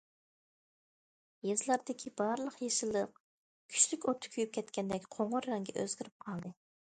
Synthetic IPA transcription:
jezlˠɑɾd̪ɪkʲʰibɑɾlˠəqjeʃɨlˠəq̚ | kʲʰy̥t͡ʃlykʲot̪ʰʊ̥kʲʰyjyp̚kʲʰɛt̪kʲɛnd̪ɛkʲqʰoɴʊɾːɛŋɡʲɛ̰ʔø̰zɡʲiɾyp̚qʰɑlˠd̪ɨ

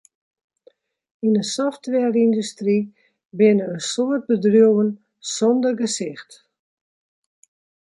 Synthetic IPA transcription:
inəsɔftʋɛrindystri | bɪnəənsoət̚bədrjowən | sɔndərɡəsɪxt

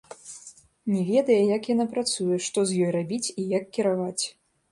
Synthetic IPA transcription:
nʲɛvʲɛd̪ɐjɐjɐkjanapɾat̪sujɛʂt̪ɔzjɔjrabʲit͡sʲijakːʲɛɾavat͡sʲ

